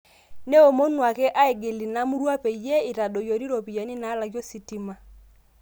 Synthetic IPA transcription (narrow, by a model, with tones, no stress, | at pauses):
ne˦o˨mo˦nwa˨kɛ˦ʔa˦e˨ɡe˨li˨na˦mu˦ɾwa˦pɛ˨ijɛ˦ɪ˨ɾa˨do˨jɔ˨ɾi˦ɾɔ˨pi˨ja˨ni˦naː˨˦la˨ɣjɔ˦si˨ti˨˦ma˦